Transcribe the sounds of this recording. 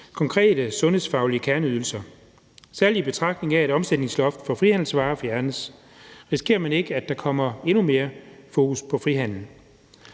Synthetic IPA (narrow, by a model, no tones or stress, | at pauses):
kʰɒ̽ŋkʰʁɛ̰ːd̥əsɔ̽nhe̝sfɑ̈ʊliəkʰæɐnəyðˠl̩sɐ | sæɐlib̥e̝t͡sʰʁɑ̈ɡ̥d̥ne̝ŋæeɾ̥ɒ̽msed̥ne̝ŋslɒfd̥fɒ̽fʁihæn̰l̩sʋɑ̈ːɒ̽fjæɐnəs | ʁisi̥kʰe̝̰ːɐmæne̝ɡ̥əæ̥ɑ̈kʰɒ̽m̰ɐe̝nume̝ːɐfo̝ːkuspʰɒ̽fʁiɦæn̰l̩